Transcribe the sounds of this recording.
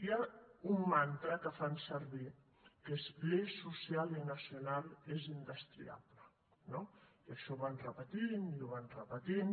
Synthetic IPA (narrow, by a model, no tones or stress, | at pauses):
jaumːant̪ɾəkəfansəɾβi | kespɾesusialinasijunalˠezind̪əst̪ɾḭa̰βlə | noiaʃɔβanrəpət̪iniuβanrəpət̪in